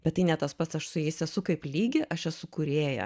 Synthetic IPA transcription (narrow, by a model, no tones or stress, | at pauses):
b̥ʲɛt̪t̪ːɐɪnʲɛt̪ɐspɐt̪sɐʃsʊjɛɪsʲɛsʊkɐɪplʲiːɡʲɪʔɐʃɛsʊkʊɾʲeːjɛ̰